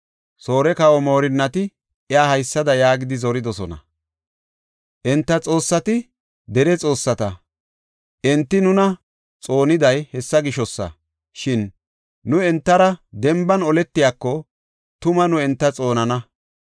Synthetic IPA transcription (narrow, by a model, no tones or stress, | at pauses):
so̞ːɾɛkɐwɔmo̞ːɾɪnːɐt̪ɪ | ɛjaːhɐjsːɐd̪ɐjaːɡɪd̪ɪzɔɾɪd̪ɔsɔnɐ̰ | ʔɛnt̪ːɐt͡sʼo̞ːsːɐt̪ɪ | d̪ɛɾɛt͡sʼo̞ːsːɐt̪ɐ | ʔɛnt̪ːɪnʊnɐ | t͡sʼo̞ːnɪd̪ɐjhɛsːɐɡɪʃɔsːɐ̰ | ʃɪnː | ʊɛnt̪ːɐɾɐd̪ɛmbɐnɔlɛt̪ːɪjaːkːɔ | t̪ʊmɐnʊɛnt̪ːɐt͡sʼo̞ːnɐnɐ